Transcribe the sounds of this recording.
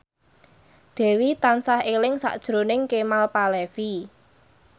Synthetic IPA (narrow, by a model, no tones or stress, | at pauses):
d̪̥ɛ̤wit̪ansahelɪŋsa̰ʔd̥ʒ̥ɾonɪŋkemalpalɛfi